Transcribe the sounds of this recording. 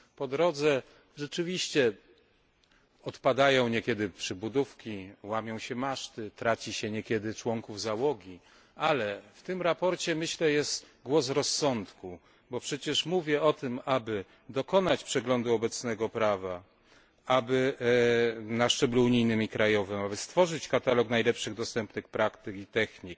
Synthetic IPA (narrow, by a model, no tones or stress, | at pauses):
pɔd̪ɾɔd̪zɛ | ʐɛt͡ʂɘvʲiɕt͡ɕɛ | ɔt̪pad̪ajɔ̃w̃ɲɛkʲɛd̪ɘpʂɘbud̪ufkʲiwamʲjɔ̃w̃ɕɛmaʂt̪ɘt̪ɾat͡ɕiɕɛɲɛkʲɛd̪ɘt͡ʂwɔŋkuvzawɔɡʲi | alɛft̪ɘmɾapɔɾt͡ɕɛmɘɕlɛjɛst̪ | ɡwɔsɾɔsːɔnt̪ku | bɔpʂɛt͡ɕɛʂmuvʲjɛɔt̪ɘmabɘ | d̪ɔkɔn̪at͡ɕpʂɛɡlɔnd̪uɔbɛt̪snɛɡɔpɾava | abɘ | naʂt͡ʂɛbluuɲijnɘmʲikɾajɔvɘmabɘst̪fɔʐɘt͡ɕkat̪alɔknajlɛpʂɘɣd̪ɔst̪ɛmpnɘxpɾakt̪ɘkit̪ɛxɲik̚